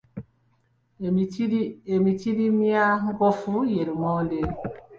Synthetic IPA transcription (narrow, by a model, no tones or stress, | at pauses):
emitidimiaŋɡɔfujeɾumɔnde